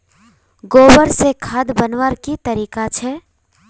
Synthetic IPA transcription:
ɡoːbəɾsekʰad̪bənwəɾkit̪əɾiːkat͡ʃʰɛ

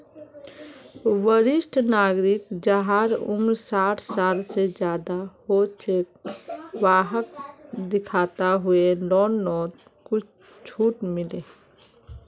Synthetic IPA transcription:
ʋəɾɪsʈʰnaːɡɾɪkd͡ʒəɦaɾʊ̰mɾsaːʈʰsaːlsed͡ʒjaːd̪ahot͡ʃek̚ʋaːɦəkd̪ɪkʰaːt̪aɦʊelɔːnːɔːt̪ | kʊt͡ʃʰ | t͡ʃʰuːʈmɪleː

